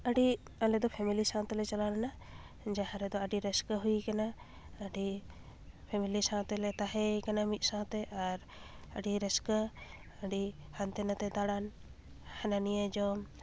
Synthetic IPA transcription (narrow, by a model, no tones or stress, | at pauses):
əɖi | alɛd̪ɔpʰɛmilisãw̃t̪ɛlɛt͡ʃalanana | d͡ʒaɦãɾɛd̪ɔəɖiɾɛskəɦuikana | əɖi | pʰɛmilisãw̃t̪ɛlɛt̪aɦɛkanamit̪̚ˀsãw̃t̪ɛʔaɾ | əɖiɾɛskə | əɖi | hant̪ɛnat̪ɛt̪aɽan | hɛnanijed͡ʒɔm